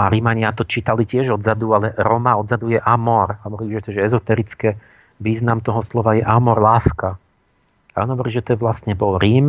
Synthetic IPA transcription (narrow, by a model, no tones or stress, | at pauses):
aɾimaɲɪat̪ɔt͡ʃiːt̪alicɪɛʒɔd̪zad̪ualɛɾɔmaɔd̪zad̪ujɛʔamɔɾɦɔʋɔɾiʒɛt̪ɔʒɛɛzɔt̪ɛɾit͡skɛ | ʋiːznamt̪ɔɦɔslɔʋajɛʔamɔɾlaːska | aɔnɦɔʋɔɾiːʒɛt̪ɛɛʋlast̪ɲɛbɔlɾiːm